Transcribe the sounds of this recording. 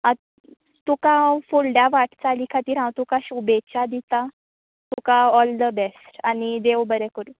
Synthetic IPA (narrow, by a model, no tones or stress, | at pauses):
a | t̪ukãfuɭɖjaʋaʈʰt͡salikʰat̪iːɾɦãwt̪ukaɕubet͡ɕad̪it̪a | t̪ukaɔld̪əbɛsʈanid̪ewbəɾɛkəɾu